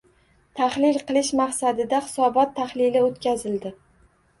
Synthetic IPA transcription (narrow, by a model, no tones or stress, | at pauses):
t̪ʰaχlɪlqɨlˠɪʃmaqsad̪ɪd̪aχɪ̥sɒbɒt̪ʰːaχlɪlɪot̪kʲazɪld̪ɪ